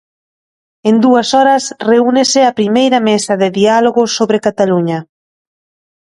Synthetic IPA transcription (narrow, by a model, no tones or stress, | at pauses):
end̪uɐsɔɾɐsreunesɪapɾimejɾɐmesɐðɪðialoɣʊsoβɾekat̪aluɲɐ